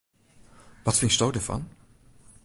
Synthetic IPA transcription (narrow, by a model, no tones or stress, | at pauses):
ʋɑtfɪnstowdəv̥ɑ̰n